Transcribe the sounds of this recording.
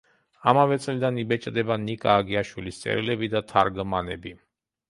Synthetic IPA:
amavɛt̪sʼlid̪anibɛt͡ʃʼd̪ɛbanikʼaːɡiaʃwilist̪sʼɛ̰ɾilɛbid̪at̪ʰaɾɡmanɛbi

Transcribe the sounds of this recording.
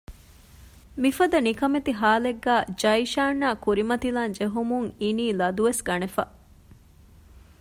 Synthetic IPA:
mifɐd̪ɐnikɐmet̪iɦaːleɡːæːd͡ʒɐiʃaːnːaːkuɾimɐt̪ilaːnd͡ʒeɦumuŋiniːlɐd̪uʋesɡɐnefɐ̰

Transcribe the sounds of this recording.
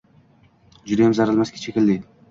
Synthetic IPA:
d͡ʒʊd̪ajamzɑɾɯlˠmaskʲe̥t͡ʃʰekʲild̪ejd̪ɪ

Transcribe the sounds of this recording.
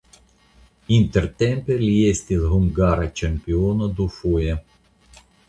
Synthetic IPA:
int̪ɛrt̪ɛmpelʲjɛsʲt̪ʲizɦʊmɡaɾɐt͡ʃɐmʲpʲɪɔnɐd̪ʊfɔjɛ

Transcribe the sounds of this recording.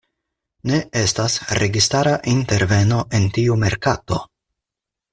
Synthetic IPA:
ne̞e̞stasɾe̞ɡistaɾaʔinte̞ɾve̞no̞ʔe̞ntiume̞ɾkato̞

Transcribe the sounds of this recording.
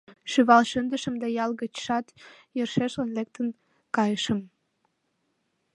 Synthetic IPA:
ʃyβɑlʃənd̪əʃə̆md̪ejɑlɣət͡ɕʃɑt̪jərʃeʃlənlek̚t̪ən | kɑjəʃə̆m

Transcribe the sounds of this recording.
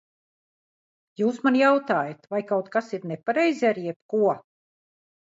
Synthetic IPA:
juːsmanjawt̪aːjat̪vajkawt̪kasiɾnepaɾɛjziaɾijɛp̚kuɔ

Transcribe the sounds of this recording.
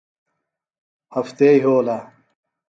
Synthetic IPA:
hɐft̪eiɦoːla

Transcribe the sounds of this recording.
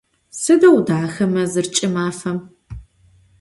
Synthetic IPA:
sɨdɐwdaːxɐmɐzɨrt͡ʃʼɪmaːfɐm

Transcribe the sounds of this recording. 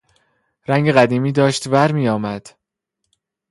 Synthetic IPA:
ɾæŋɡeɣæd̪iːmiːd̪ɒːʃt̪bæɾmiːjɒːmæd̪̥

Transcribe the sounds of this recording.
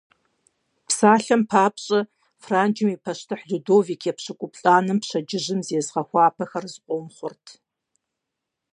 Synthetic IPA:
psaːɬɐmpʰaːpɕʼɐ | fraːnd͡ʒɪmiːpʰɐʃtʰɨħɮudoːviːkʰeːpɕɨkʷʼʊpɬʼaːnɨmpɕɐd͡ʒɪʑɪmzeːzʁɐxʷɑːpʰɐxɐrzɨqʷʼɔmχʷʊrtʰ

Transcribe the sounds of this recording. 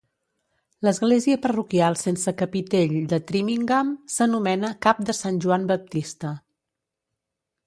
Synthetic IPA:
ləzɣleziəpərukialˠsensəkəpit̪eʎd̪ət̪ɾimiŋɡamsənumɛnəkap̚d̪əsanʲʒuambəp̚t̪ist̪ə

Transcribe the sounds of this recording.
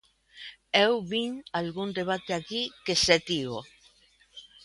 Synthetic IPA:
ewβiŋalɣund̪eβ̞at̪eakikeset̪iɣo

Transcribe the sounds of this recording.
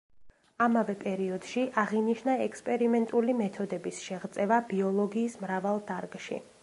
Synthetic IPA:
amavɛpʼɛɾiɔd̪̥ʃiʔaʁiniʃnaɛkspʼɛɾimɛnt̪ʼulimɛt̪ʰɔd̪ɛbisʃɛʁt̪sʼɛvabiɔlˠɔɡiːsmɾavalˠd̪aɾɡʃḭ

